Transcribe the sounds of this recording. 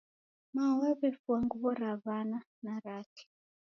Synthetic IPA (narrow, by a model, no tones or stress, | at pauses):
mawaβɛfuaŋɡuβɔɾaβana | naɾati̥